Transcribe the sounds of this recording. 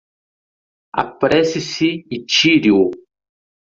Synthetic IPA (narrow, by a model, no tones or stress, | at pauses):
a̰pɾɛsisiːt͡ʃiɾiu